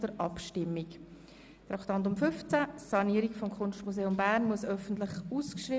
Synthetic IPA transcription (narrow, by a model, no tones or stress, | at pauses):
d̥əɾʔɑpʃtɪmːik | tɾɑkt̪ɑnt̪̬ʊmfʏft͡sæsɑniəɾikfɔmkʰχʊnʃtmuseːʊmbæɾnmuəsœfən̩t̪lɪχuːskʃriː